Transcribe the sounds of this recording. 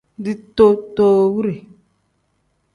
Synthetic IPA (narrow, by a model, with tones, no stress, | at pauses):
di˦t̪o˦toː˦wu˦ɾe˨